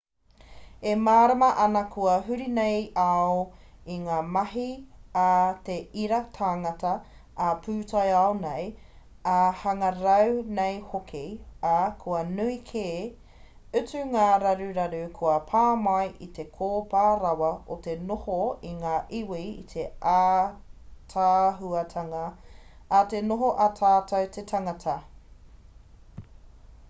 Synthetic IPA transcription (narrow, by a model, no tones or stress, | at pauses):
emaːɾɐmɐʔɐnɐkʰuɐɦʉɾinejaoiŋaːmɐɦiat̪eiɾɐtʰaːŋɐtɐː | pʰʉːtʰɐjaonej | ahɐŋɐɾɐwnejhokʰiakʰuɐnuikʰeː | ʉtʉŋaːɾɐɾuɾɐɾʉkʰuɐpʰaːmɐjʔit̪e̞kʰoːpaːɾɐwɐot̪enohoiŋaːʔiwḭːt̪ʰeʔa | tʰaːɦuɐtʰɐŋɐː | tenoɦoʔatʰaːtʰɐwt̪ʰetʰɐŋɐtʰɐ